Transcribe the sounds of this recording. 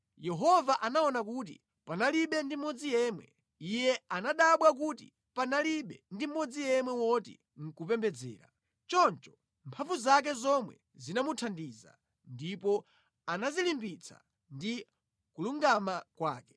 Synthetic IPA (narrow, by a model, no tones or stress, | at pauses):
jɛɦɔvaʔanaɔnakut̬ḭ | panaliɓɛndimɔd͡zijɛːmwɛ̰ | ijɛanaɗaɓwak̬utḭ | panaliɓɛndim̩ːɔd͡zijɛmwɛwɔtḭ | ŋ̩kupɛmbɛd͡zɛ̰ːɾa̰ | t͡ʃɔnt͡ʃɔ̥ | mpʰaɱvuzak̬ɛzɔmwɛ̰ | zinamutʰandiza̰ | ndipɔ | anazilimbit͡sʰa̰ | ndi | kuluŋɡamakwa̰ːkɛ̥